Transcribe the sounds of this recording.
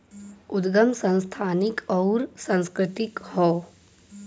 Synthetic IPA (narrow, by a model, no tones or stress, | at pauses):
ʊd̪ɡəmsə̃nst̪ʰaːnɪkɔːɾsə̃nskɾɪt̪ɪkhɔː